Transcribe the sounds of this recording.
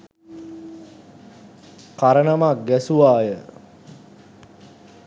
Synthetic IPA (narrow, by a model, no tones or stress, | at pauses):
kaɾənamak̚ɡɛsuʋaːjə